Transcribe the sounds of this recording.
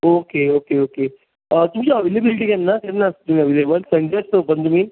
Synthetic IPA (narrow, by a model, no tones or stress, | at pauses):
okeokeoke | ət̪umd͡ʑaəʋelebiliʈiːkanːakaɾnast̪um̤iəʋelebəlsə̃ɳɡasopəɳt̪um̤iː